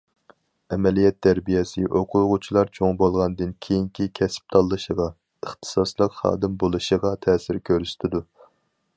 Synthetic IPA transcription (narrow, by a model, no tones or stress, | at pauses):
ɛmɛlijɛt̪ʰːæɾbijɛsɪʔoqʰʊʁʊt͡ʃʰilˠɑɾt͡ʃʰoŋbolˠʁɑnɨd̪ɨnkʲʰejiŋkʲʰikʲʰɛsɪ̥p̚t̪ʰɑlˠːɨʃəʁɑ | əχt̪ʰɨ̥sɑslˠəqχɑ̰ːd̪ɨmbolˠɨʃəʁɑt̪ʰɛːsɪɾkʲʰøɾyst̪ʰɪd̪u